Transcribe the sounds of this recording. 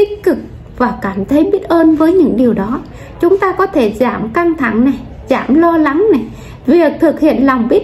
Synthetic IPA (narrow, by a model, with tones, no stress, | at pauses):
t̪ï˦˥k̟̚kɨ˨˩k̚ | vaː˨˩kaː˧˩mt̪ʰə˨˦jɓi˦˥ət̚ʔəː˧nvəː˨˦jɲɨ̰˧˥ŋɗi˨˩əwɗɔ˨˦ | t͡ɕʊ˨˦ŋ͡mt̪aː˧kɔ˨˦t̪ʰe˧˩zaː˧˩mka˧ŋt̪ʰa˧˩ŋna˨˩j | zaː˧˩mlɔ˧la˨˦ŋna˨˩j | vi˨˩ək̚t̪ʰɨ˨˩k̚hḭ˧˨ənlɔ˨˩wŋ͡mɓi˦˥ət̚